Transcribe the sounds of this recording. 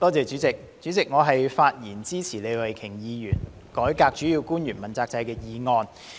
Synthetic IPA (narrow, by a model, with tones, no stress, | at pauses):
t̪ɔː˥t͡sɛː˨˧t͡ʃyː˨˥t͡sɪ˨k̚ | t͡ʃyː˨˥t͡sɪ˨k̚ŋɔː˨˧ɦɐ˨jfaː˧t̚jiː˨˩nt͡siː˥t͡sʰiː˨˩le˨˧wɐ˨˩jkʰɪ˨˩ŋjiː˨˧jyː˨˩n | kɔː˨˥jkaː˧k̚t͡ʃy˨˥ji˧wkuː˥njyː˨˩nmɐ˨nt͡saː˧k̚t͡sɐ˧jkɛː˧jiː˨˧ŋɔː˧n